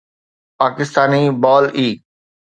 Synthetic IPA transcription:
paːkɪst̪aːnibaːliː

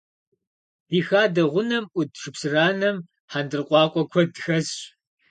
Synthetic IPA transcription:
iːxaːdɐʁʷʊnɐmʔʷʊdʂɨpsɨraːnɐm | ħandɨrqʷʼɑːqʷʼɔkʷʰɔdxɐz

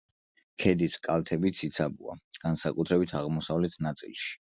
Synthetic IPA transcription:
kʰɛd̪iskʼalˠt̪ʰɛbit̪sʰit̪sʰabṵa̰ɡ̥ansakʼut̪ʰɾɛbit̪ʰaʁmɔsavlɛt̪ʰnat̪sʼḭlˠʃi̥

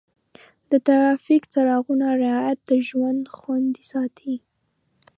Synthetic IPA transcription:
d̪ət̪aɾɑfikt͡saɾɑɣunaɾɪɑjat̪̚d̪əʒwand̪xwand̪isɑt̪ʰi

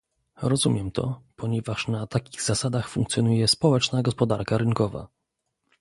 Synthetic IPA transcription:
ɾɔzumʲjɛmt̪ʰɔ̰pɔɲɛvaʂnat̪akʲiɣzasad̪axfṵ̃ŋkt̪sʲjɔnujɛspɔwɛt͡ʂnaɡɔspɔd̪aɾkaɾɘŋkɔva̰

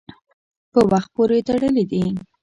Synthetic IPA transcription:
pəwaxt̪̚poɾet̪aɽəlid̪i

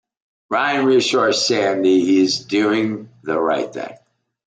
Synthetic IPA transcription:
ɹaɪɨ̃nɹɪʃɔɹsæ̃nðiizdʉɪ̃ŋðəɹa̰ɪt̪̚θɪ̰̃ŋ

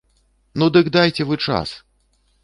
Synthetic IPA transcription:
nud̪ɨkd̪ajt͡sʲɛvɨt͡ʂa̰s

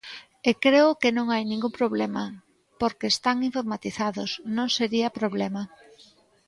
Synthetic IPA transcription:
ekɾeʊkenõŋajnĩŋɡumpɾoβ̞lɛmɐ | poɾkeːst̪aŋiɱfoɾmat̪iθaðosnõŋseɾiɐpɾoβlɛmɐ

